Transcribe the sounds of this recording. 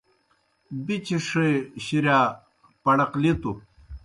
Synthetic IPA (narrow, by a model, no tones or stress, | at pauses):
bit͡ɕiʂeɕiɾjaː | pɐɽɐqlit̪u